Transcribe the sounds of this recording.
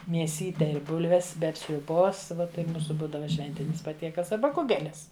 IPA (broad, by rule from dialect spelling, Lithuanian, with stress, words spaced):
mʲiɛˈsʲiːtʲɛ ɪ ˈbʊlʲʋʲɛs ˈbʲɛt sʲrʲʊˈboːs ˈʋɐ tɐɪ ˈmuːsʊ ˈbuːdɐʋɐ ˈʃʲʋʲɛnʲtʲɪnʲɪs pɐˈtʲiɛkɐlˠs ɐˈbɐ ˈkʊɡʲɛlʲɪs